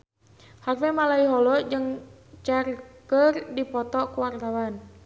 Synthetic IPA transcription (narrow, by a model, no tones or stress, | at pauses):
harfɛmalaiɦɔlɔd͡ʒəŋ | t͡ʃarkərdipɔt̪ɔkuwart̪awan